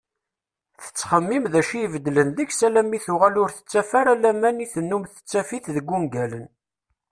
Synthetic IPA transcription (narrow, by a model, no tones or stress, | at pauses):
θə̥t͡sːχəmːimðæʃijvəd̪ːlənðəçsælæmːiθʊʁælʊɾθə̥t͡sːæfaɾælæmæniθənːumθə̥t͡sːæfiθðəɡʷːumɡælən